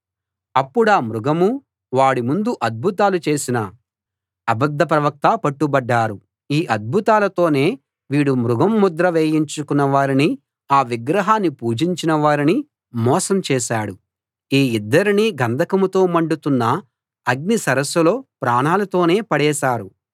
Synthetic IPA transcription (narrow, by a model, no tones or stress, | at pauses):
ɐpːuɽaːmɾuɡɐmu | ʋaːɽimund̪uʔɐd̪̚bʱut̪aːlut͡ʃe̞ːsinɐ | ɐbɐd̪ʱːɐp̬ɾɐʋɐk̚t̪apɐʈːubɐɖːaːɾu | iːʔɐd̪̚bʱut̪aːlɐt̪o̞ːne̞ː | ʋiːɽumɾuɡɐmːud̪ɾɐʋeːjiɲt͡ʃukunːɐʋaːɾini | aːʋiɡɾɐɦaːnːipuːd͡ʒiɲt͡ʃinɐʋaːɾini | mɔːsɐmt͡ʃɛːʃaːɽu | iːid̪ːɐɾiniːɡɐnd̪ʱɐkɐmut̪o̞ːmɐɳɖut̪unːɐ | ɐɡ̚nisɐɾɐsɐlo̞ːpɾaːɳaːlɐt̪o̞ːne̞ːpɐɽɛːʃaːɾu